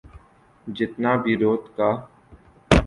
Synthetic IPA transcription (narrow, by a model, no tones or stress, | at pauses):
d͡ʒɪt̪naːbʱiːɾoːt̪kaː